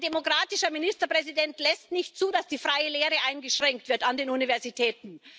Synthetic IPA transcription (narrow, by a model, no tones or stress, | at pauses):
demokʁaːtɪʃɐmɪnɪstɐpʁ̥ɛzidɛntlɛstnɪçtt͡suːdasd̥iːfʁ̥aɪəleːʁəʔaɪnɡəʃʁ̥ɛŋk̚tv̥ɪɐtandeːnunivɛɐzitʰɛːtn̩